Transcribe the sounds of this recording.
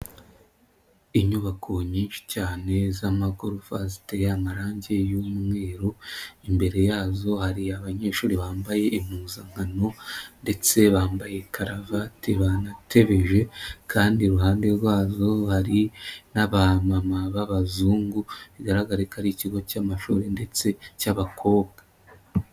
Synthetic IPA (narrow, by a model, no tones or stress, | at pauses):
iɲuβakʰo̞ɲiːnʃi̥caːne̞zamaɡuɾufasitejamaɾaːɲɟe̞juːmŋe̞ːɾoimbe̞ɾe̞jaːzo̞haɾiaβaɲe̞ːʃuːɾiβaːmbaje̞ʔim̥uzaŋ̥hano̞nde̞t͡se̞βaːmbaje̞kʰaɾavateβanatʰe̞βe̞ʒe̞kʰaːndiɾuhaːnde̞ɾɡwaːzo̞haɾinaβamamaβaβazuːŋɡuβiɡaɾaɡaɾekaɾiciɡo̞camaʃuɾe̞nde̞t͡se̞caβakʰo̞ːβɡa